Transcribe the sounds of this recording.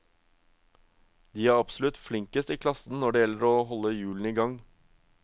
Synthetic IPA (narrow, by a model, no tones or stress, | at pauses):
d̪iːæːɾɑpsʊlʉt̪flɪŋkəst̪iːkʰlɑsn̩nɔɖɛːjɛlːəɾoːɦɔlːəjʉːln̩iːɡɑŋ